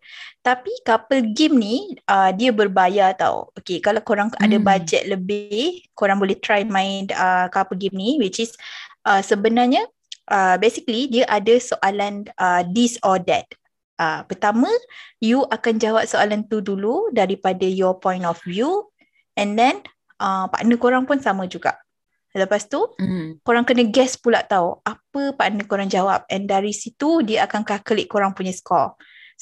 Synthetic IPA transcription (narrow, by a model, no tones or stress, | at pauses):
t̪apikapəlɡɪmniʔədiabərbajat̪a̰w̰okekalawkoɾaŋa̰dabad͡ʒɛ̰t̪̚ləbɪhkoɾaŋbolɛht̪ɾajmãɪnəkapəlɡɪmniwit͡ʃisʔəsəbənarɲə̃ | ʔəbesikəlidiaʔadəsoʔalanədisɔdɛ̰t̪̚ | ʔəpərt̪amə̃juʔakand͡ʒawap̚soalant̪uduludaɾipadajɔpɔ̃jntɔfvju | ɛ̃ndɛn | ʔəpa̰ʔnə̃koɾaŋpunsamə̃d͡ʒuɡa̰ʔ | ləpast̪ukoɾaŋkənə̃ɡɛspulaʔt̪auʔapəpaʔnə̃koɾaŋd͡ʒawap̚ɛ̰̃ndaɾisit̪udiəakankakəlɪʔkoɾaŋpuɲəskɔ̰l